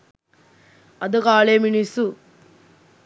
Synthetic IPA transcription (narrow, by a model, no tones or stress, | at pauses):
ɐd̪ukaːɭemiɳisu